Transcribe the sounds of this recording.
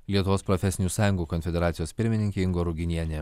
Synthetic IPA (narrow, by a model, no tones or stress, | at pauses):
lʲiɛt̪ʊʋoːspɾɔfʲɛsʲɪnʲuːsɑːjʊ̃ŋɡuːkɔnʲfʲɛd̪ʲɛɾɑːɪjoːspʲɪɾʲmʲɪnʲɪŋʲkʲeɪŋɡoːɾuɡʲɪnʲiɛnʲe